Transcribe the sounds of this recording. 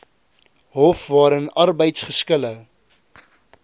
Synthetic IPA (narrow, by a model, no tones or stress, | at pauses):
ɦɔfvɑːɾənɐrbəjtsχəskələ